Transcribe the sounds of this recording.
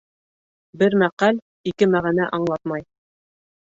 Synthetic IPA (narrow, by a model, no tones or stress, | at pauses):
bɘɾmæqæl | ikɘmæʁænæʔɑɴlˠɑt̪mɑj